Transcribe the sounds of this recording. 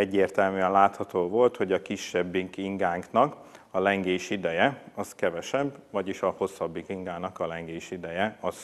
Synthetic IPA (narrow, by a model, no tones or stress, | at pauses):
ɛɟːeːrt̪ɛlmyɛnlaːt̪hɒt̪oːvo̞lt̪ho̞ɟɒkiʃːɛbːiŋkiŋɡaːŋknɒk | ɒlɛŋɡeːʃid̪ɛjɛɒskɛvɛʃɛbːvɒɟiʃɒho̞sːɒbːikiŋɡaːnɒkɒlɛŋɡeːʃid̪ɛjɛɒz